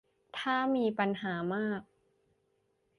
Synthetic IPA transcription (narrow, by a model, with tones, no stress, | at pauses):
t̪ʰaː˥˩miː˧pa˧nɦaː˩˦maː˥˩k̚